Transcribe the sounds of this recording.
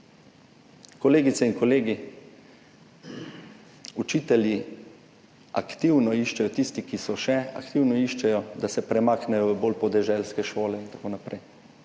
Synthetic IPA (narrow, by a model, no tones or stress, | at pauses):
kɔleːɡit̪sɛinkɔleːɡi | ut͡ʃiːt̪ɛlʲji | a̰kt̪iwnɔiʃt͡ʃɛjɔt̪ist̪ikisɔʃɛa̰kt̪iwnɔiːʃt͡ʃɛjɔd̪asɛpɾɛmaːknɛjɔʋəboːlpɔd̪ɛʒɛlskɛʃoːlɛint̪ḁkoːnapɾɛj